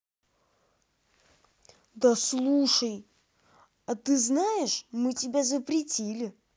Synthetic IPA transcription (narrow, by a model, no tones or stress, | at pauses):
d̪ɐslˠuʂəj | ɐt̪ɨznajɪʂmɨtʲɪbʲazəpɾʲɪtʲilʲɪ